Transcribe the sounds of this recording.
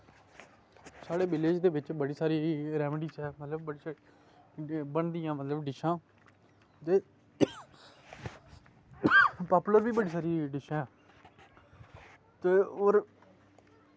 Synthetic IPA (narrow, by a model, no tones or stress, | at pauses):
saːɽeːbɪleːd͡ʒd̪eːʋɪt͡ʃbəɽiːsaːɾiːɾɛːmɖiːsɦɛːmət̪ləbbəɽiːs | bəɳd̪ɪjãːmət̪ləbɖɪʃãː | t̪eː | paːpuləɾbiːbəɖiːsaːɾiːɖɪʃãː | t̪eːoːɾ